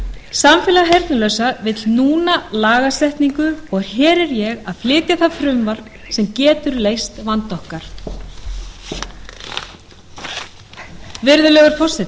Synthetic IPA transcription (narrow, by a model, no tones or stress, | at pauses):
samfɪːlaɦejɾt̪nʏlœɥsavɪt̪lnuːnalaːɣasɛht̪niŋkʏɔɣɾ̥çɛːɾɛɾjɛɣaðflɪːt̪jaθaðfɾʏmvaɾ | sɛmcɛːt̪ʏɾleːjst̪vant̪ɔhkaɾ̥ | vɪɾðʏlœɣaɾ̥fɔ̥sɪt̪